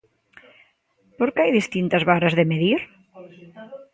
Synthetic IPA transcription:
poɾkeajðist̪int̪azβaɾazðemeðiɾ

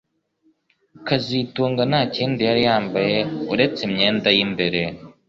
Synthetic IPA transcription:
kazituːŋɡanaːciːndijaɾijaːmbajeuɾe̞t͡semɲeːndajimbe̞ɾe

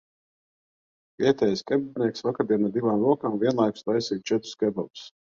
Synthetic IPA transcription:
viɛt̪ʲɛjskɛbɛd̪ʲnʲiɛksvakaɾd̪ʲiɛnad̪ivaːmlˠuɔkaːmvʲiɛnlˠajkslˠajsiːt̪̚t͡ʃɛt̪ɾu̥skɛbɛlˠu̥s

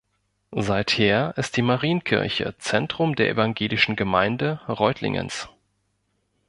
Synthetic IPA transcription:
zaɪtheːɐʔɪst̚d̥iːmaʁiːənkʰɪ̰ɐçə̰t͡sɛntʁ̥ʊmdeːɐʔḛvaŋɡeːlɪʃn̩ɡəmaɪndəʁɔʏtʰlɪ̰ŋʔə̰ns

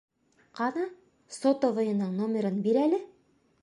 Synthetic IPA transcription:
qɑnɑ | sot̪ovŏjɤ̆nɤɴnomʲeɾɤnbiɾælɘ

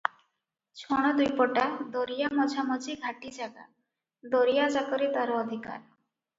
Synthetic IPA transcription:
t͡ʃʰɔɽ̃ɔd̪ujpɔʈad̪ɔɾijamɔd͡ʒʱamɔd͡ʒʱiɡʱaʈid͡ʒaɡa̰ | d̪ɔɾijad͡ʒakɔɾit̪aɾɔːd̪ʱika̰ɾ

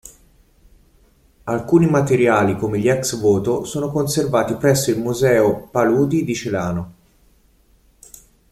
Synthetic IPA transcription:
alkuːnimat̪eɾjaːlikomeʎːiɛksvoːt̪osoːnokonservaːt̪ipɾɛsːoilmuzɛːopaluːd̪id̪it͡ʃelaːno

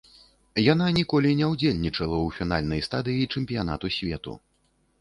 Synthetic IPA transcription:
jananʲikɔlʲinʲɛwd͡zʲelʲnʲit͡ʂɐlˠɐwfʲin̪alʲnɐjst̪ad̪ɨjit͡ʂɛmʲpʲijana̰t̪usʲvʲɛt̪ṵ

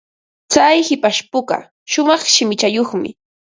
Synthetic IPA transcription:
t͡sajhɪpaʃpʊɢɑ̰ | ʃʊmɑχʃɪmɪt͡ʃajoχmɪ̰

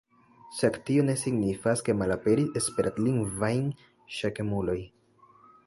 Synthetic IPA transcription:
ʃaktio̞ne̞siɡnifaske̞malape̞ɾiespe̞ɾʔatliŋɡvajn | ʃake̞mulo̞j

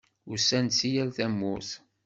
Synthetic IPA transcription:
ʊɾsænsijælθæmːʊθ

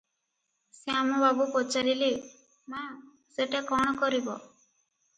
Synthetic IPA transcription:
seamɔbabupɔt͡ʃaɾili | ma | seʈekɔɽ̃ɔkɔɾibɔ

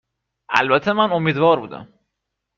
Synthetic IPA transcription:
ʔæ̰lbæt̪ʰːemænomiːd̪vɒːɾbuːd̪æ̰m

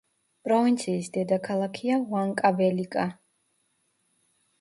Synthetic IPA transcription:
pʼɾɔvint̪sʰiːsd̪ɛd̪akʰalˠakʰiavwaŋkʼavɛlikʼa

